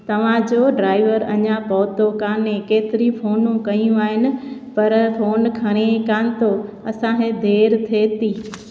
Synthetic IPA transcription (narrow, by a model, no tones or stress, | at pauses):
t̪ɐʋ̤ãd͡ʑoːɖɾaːɪʋəɾɐɲãpɐʋt̪okaːnẽkeːt̪ɪɾifʰoːnũkɐijũaːɦɪnɪ̆pɐɾfʰoːnkʰɐɽ̃ekaːnɪ̆t̪o | ɐsãɦed̪ʱeːɾt̪ʰeːt̪iː